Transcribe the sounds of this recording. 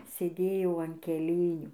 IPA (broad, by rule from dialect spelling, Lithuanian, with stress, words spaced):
sʲeːˈdʲeːjɛʊ ɐn kʲɛˈlʲeːnʲuː